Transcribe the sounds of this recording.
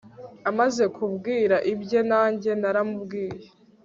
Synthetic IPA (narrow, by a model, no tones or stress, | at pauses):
amaze̞kʰubɡiːɾaʔibɟe̞naːɲɟe̞naɾamubɡiːje